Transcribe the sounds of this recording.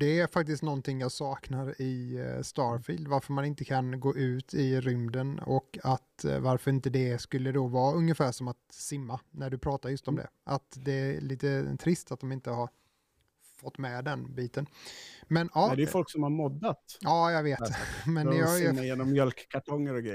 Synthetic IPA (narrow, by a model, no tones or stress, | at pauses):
d̪ɛæɾfak̚t̪ɪst̪nɔnt̪ʰɪŋːjɑːsɑːknaɾɪst̪ɑːɾfiːld̪vaɾfœɾmanɪnt̪əkʰanɡoːʔʉ̟ːt̪ʰɪɾʏmd̪ənɔ̰kat̪vaɾfœɾɪnt̪əd̪ɛskɵlːəd̪ɔvɑːɵŋːəfæːʂɔmat̪sɪmːanæɖɵpʰɾɑːt̪aɾjɵst̪ɔmd̪ɛ̰ʔat̪d̪ɛæliːt̪ət̪ʰɾɪst̪at̪̚d̪ɔmɪnt̪əhaɾ | fɔt̪ːmɛd̪ɛnbiːt̪ənmɛnɑːdɛjfɔlksɔmhaɾmɔd̪ːat̪ɑːjaveːt̪mɛnjɑjeːnɔmːjœlkkʰːaʈʰɔŋːəɾɔɡɾɛ